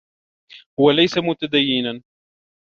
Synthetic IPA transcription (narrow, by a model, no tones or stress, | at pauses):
hʊwalajsamʊt̪ad̪ajːɪnan